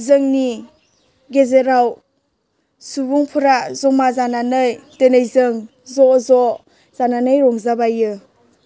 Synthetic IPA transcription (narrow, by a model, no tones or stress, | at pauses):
zɯŋni | ɡezeɾaw | subuŋpʰuɾazɔmazananɯjtenajzɯŋ | zɔzɔ | z̥ananɯjɾɔŋzabajɯ